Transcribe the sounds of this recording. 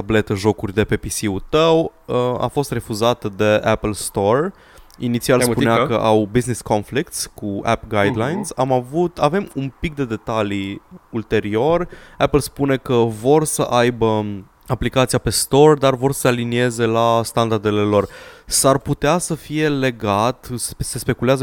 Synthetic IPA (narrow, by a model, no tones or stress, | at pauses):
t̪able̞t̪əʒo̞kurʲd̪e̞pe̞pisiut̪əwəa̰fo̞st̪re̞fuzat̪əd̪e̞ʔapəlst̪o̞r | init̪sialspuneakə̰ʔawbiznisko̞nflikt̪sʲkua̰pɡajd̪lajnsamavut̪ave̞mumpik̚d̪e̞d̪e̞t̪aliult̪e̞ɾio̞rʲapəlspune̞kəvo̞rsəʔajbə | aplikat̪siape̞st̪o̞rd̪arvo̞rsə̥sealinie̞ze̞last̪and̪ard̪e̞le̞lo̞rsarput̪easəfije̞le̞ɡat̪sse̞spe̞kuleazə